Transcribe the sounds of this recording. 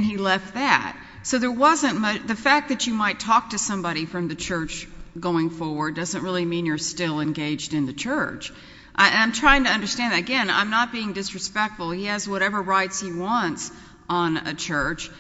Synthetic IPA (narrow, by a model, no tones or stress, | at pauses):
nilɛft̪̚ðæ̰t̚ | soʊðə˞wʌzɨ̃nmʌt͡ʃðɨfæk̚ðɨt͡ʃɨmaɪtʰɔk̚tʰɨsʌ̃mbɑɾifɹʌ̃mðɨt͡ʃʰɜ˞t͡ʃɡ̥oʊɪ̃ŋfɔɹwə˞dʌzə̃nt̚ɹɪlˠimĩnjə˞stɪlˠɨ̃nɡeɪd͡ʒdɨ̃nðɨt͡ʃʰɜ˞t͡ʃ | ʔɨ̃ãɪ̃mtʰɹ̥aɪɪ̃ŋtɨʌ̃ndə˞stæ̃nðɨɾɨɡɛ̃nã̰ɪ̃mnət̚b̥iɪ̃ŋdɨsɹɨspɛk̚tfl̩ˠiɨzwʌɾɛvə˞ɹaɪtshiwɑ̃nts | n̩ɨ̰t͡ʃʰɜ˞t͡ʃ